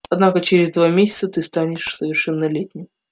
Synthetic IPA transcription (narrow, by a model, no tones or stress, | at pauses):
ɐd̪nakət͡ɕeɾʲɪzd̪vamʲesʲɪ̥t̪sət̪ɨst̪anʲɪʂsəvʲɪrʂɛnːəlʲetʲnʲɪm